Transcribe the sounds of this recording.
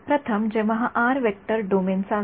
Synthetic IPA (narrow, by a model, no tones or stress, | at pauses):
pɾət̪ʰəmd͡ʑɛʋɐɦaʔaɾʋek̚ʈəɾɖomensã